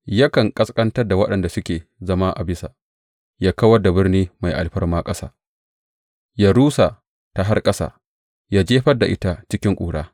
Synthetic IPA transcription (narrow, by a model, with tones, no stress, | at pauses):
ja˦kɐ˨ŋkʼɐ˦skʼɐ˦ntɐ˦da˨wɐ˦ɗɐ˨nda˨sʊ˦kʲeː˨zɐ˦ma˦ʔa˨bɪ˦sa̰˨ | jaː˦kɐ˦wɐ˦da˨bɪ˦rniː˦ma˨jʔa̰˨lɸɐ˦rmaː˦kʼɐ˦sa̰ː˦ | jaː˦ɽuː˦sa˨ | ta˨ɦa˦rkʼɐ˦sa̰ː˨ | jaː˦d͡ʒeː˦ɸɐ˦da˨ʔɪ˦ta˦t͡ʃɪ˦kʲɪ˦ŋkʷʼṵː˨ɽaː˦